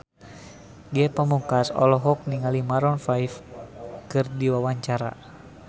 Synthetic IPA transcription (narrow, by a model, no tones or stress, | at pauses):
ɡɛpəmukasɔ̰lɔɦɔk̚niŋalimaɾɔnfajfkɨrdiwawaɲt͡ʃaɾa̰